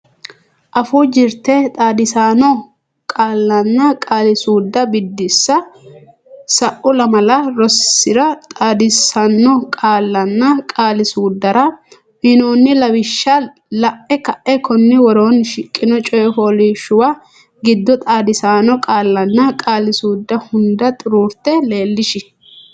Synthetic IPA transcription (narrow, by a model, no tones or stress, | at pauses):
ʔɐfuːd͡ʒɪɾt̪ɛt̪ʼaːd̪ɪsaːnɔ | kʼaːlːɐnːɐkʼaːlɪsuːd̪ːɐbɪd̪ːɪsːɐ | sɐʔʊlɐmɐlɐɾɔsːɪɾɐt̪ʼaːd̪ɪsɐnːɔkʼaːlːɐnːɐkʼaːlɪsuːd̪ːɐɾɐ | mɪnoːnːɪlɐwɪʃːɐ | lɐʔːɛkɐʔɛkɔnːɪwɔɾoːnʃɪkʼːɪnɔt͡ʃʼɔjɔfoːliʃʊwa | ɡɪd̪ːɔt̪ʼaːd̪ɪsaːnɔkʼaːlːɐnːɐkʼaːlɪsuːd̪ːɐhʊnd̪ɐt̪ʼʊɾuːɾt̪ɛle̞ːlːɪʃɪ